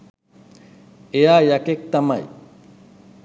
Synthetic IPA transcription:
ejajakek̚t̪ama̰j

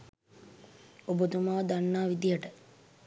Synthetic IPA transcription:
obod̪umaːd̪anːaːʋid̪ijəʈə

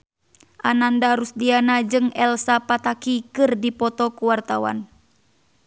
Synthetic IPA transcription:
ʔanandaɾusdianad͡ʒɨŋɛlsapat̪akikɨrdipɔt̪ɔkuwart̪awa̰n

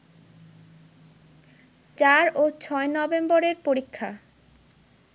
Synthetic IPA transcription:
t͡ɕaɾot͡ɕʰɔenɔbemboɾeɾpoɾikʰːa̰

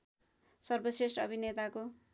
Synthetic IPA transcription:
sʌrbʌsresʈʌbʱinet̪ako

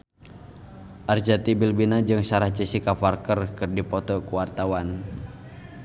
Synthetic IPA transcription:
ʔard͡ʒat̪ibilbinad͡ʒɨŋsaɾaht͡ʃisikafarkərkɨrdipɔt̪ɔkuwart̪awan

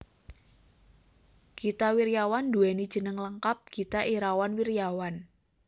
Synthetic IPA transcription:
ɡ̥it̪awiɾjawand̪uɛnid̥ʒ̥ə̤nəŋləŋkap̚ɡ̥it̪aʔiɾawanwiɾjawan

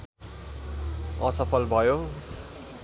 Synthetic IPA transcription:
ʌsʌpʰʌlbʱʌjo

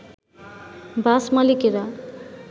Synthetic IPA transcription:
basmʌlikiɾa

